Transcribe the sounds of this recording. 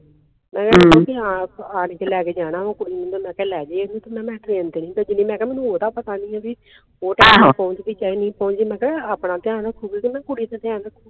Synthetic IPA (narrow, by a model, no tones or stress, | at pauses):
mɛ̃ːkɛːõkiaaːnekelɛːkeːd͡ʒaːnaːmãːkʊɽiːmẽnd̪omɛ̃ːkɛːlɛːd͡ʒeːeːnũːt̪omɛ̃ːmɛ̃ːt̪ɾẽːnt̪eːnĩːbɛd͡ʒɪnĩːmɛ̃ːkɛːmɛ̃ːnũːoːt̪aːpət̪aːnĩːɛ̃ːbi | oːʈɛːpɔ̃ːʊɲt͡ʃd̪iːt͡ʃaːiːnĩːpɔʊ̃ɲt͡ʃiːmɛ̃ːkɛːaːpnaːt̪ɪãːnaːkʰʊbiːkimɛ̃ːkʊɽiːt̪ãːt̪ɪãːaːkʰu